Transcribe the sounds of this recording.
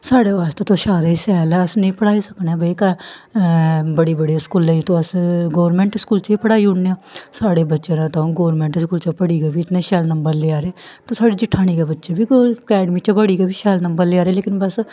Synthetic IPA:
saːɽeːʋaːst̪eːt̪õːʃaːɾeːsɛːləsnəĩːpəɽaːiːsəkneãːbəikə | bəɽiːbəɽiːskuːlẽːt̪õːəsɡoːʋɾmɛ̃ːɳʈɪskuːlt͡ʃiːpəɽaːiːʊɳneːãːsaːɽeːbətːʃeːnãːt̪ãõːɡoːʋɾmɛ̃ːɳʈskuːlt͡ʃəpəɽiːɡeːbiːɪt̪nẽːʃɛːlnəmbəɾleːaːɾeeːt̪õːsaːɽiːd͡ʒɪʈʰːaːɽ̃iːɡeːbətːʃeːbiːkɛːɖəmiːt͡ʃapəɽiːɡeːbiːʃɛːlnəmbəɾleːaːɾeːleːkɪnbəs

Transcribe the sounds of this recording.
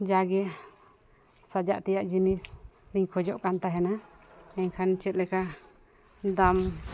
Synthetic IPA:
d͡ʒaɡɛ | sad͡ʒaʔt̪ɛjaʔd͡ʒinisɾiɲkʰɔd͡ʒɔʔkant̪aɦɛnaɛɲkʰant͡ʃɛt̪̚lɛka | d̪am

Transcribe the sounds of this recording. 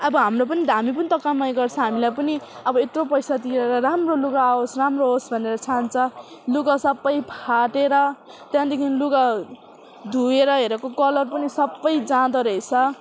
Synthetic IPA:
ʌbʌɦamrop̬ʌnid̪ʱamipʌnit̪ʌkamajɡʌrt͡sʰʌ̃ɦamilajpʌniʌbʌet̪ropʌjsat̪ieɾʌɾamroluɡaosramroɦosbʱʌneɾʌt͡sʰant͡sʰʌ | luɡasʌbːʌjpʰaʈeɾʌ | t̪jãd̪ekʰinluɡa | d̪ʱueɾʌɦeɾʌkokʌlʌrpʌnisʌbːʌjd͡zãd̪ʌɾʌet͡sʰʌ

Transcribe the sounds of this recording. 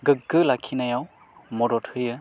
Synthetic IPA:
ɡɯk̚ɡɯlakʰinajaw | mɔɾɔt̚hɯjɯ

